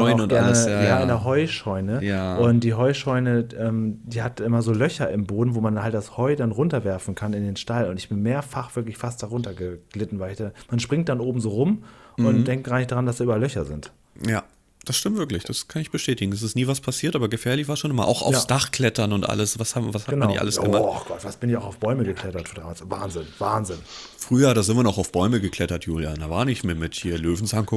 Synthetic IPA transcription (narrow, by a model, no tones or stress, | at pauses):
ɡ̥ɛɐnəjaːɪnɐɦɔʏʃɔʏnəjaʔʊntd̥iːɦɔʏʃɔʏnəʔɛːmd̥iːhatʔɪmɐzoːlœçɐʔɪmboːdn̩voːmanhalt̚d̥ashɔʏdanʁʊntɐvɛɐfn̩kʰanɪndeːnʃtalʊntɪçb̥ɪnmeːɐfaχv̥ɪɐklɪçfast̚d̥aʁʊntɐɡəɡ̥lɪtn̩vaɪlɪçd̥amanʃpʁ̥ɪŋt̚d̥anʔoːbm̩zoːʁʊmʔʊntd̥ɛŋkt̚ɡ̥ʁaːnɪçd̥aʁandasd̥iʔyːbalːœçɐ̰zɪ̰nt | jaː | d̥asʃtɪmtv̥ɪɐklɪçd̥askʰanɪçb̥əʃtɛːtɪɡŋ̩das̬ɪstniːvaspʰasiːɐtʔaːbɐɡəfɛːɐlɪçv̥aːɐʃoːnʔɪmɐ̰ʔaʊxa̰ʊfssd̥aχkʰlɛtɐnʊntʔa̰ləsvashaːvashatəmnanniçʔa̰ləsəmaχɡ̥ɔtv̥astb̥ɪnɪçaʊxaʊfb̥ɔʏməɡəkʰl̥ɛtɐtfdaːmaːlsva̰ːnzɪnv̥aːnzɪn | fʁ̥yːɐɾaːzɪnviːɐnɔχaʊfb̥ɔʏməɡəkl̥ɛtɐtʰjuːljaːdavaːnɪçmɪmɪthiːɐløːvn̩saŋkʊ